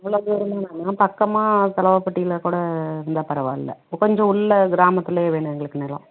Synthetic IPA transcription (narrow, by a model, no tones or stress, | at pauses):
ɐʋːɐɭoːd̪uɾɯmaːnaːnːaːpɐkːɐmaːt̪ɐlɐʋɐpːɐʈːɪɪlɐkuːɽɐɪɾɯnd̪aːpɐɾɐʋa̰ːɪ̰lːɐ̰kɔɲd͡ʒɔ̃ʊɭːɐɡɪɾaːmɐt̪ːɪlɐeːʋeːɳɖɐɛŋɡɐɭɯkːɯneːlɐ̰̃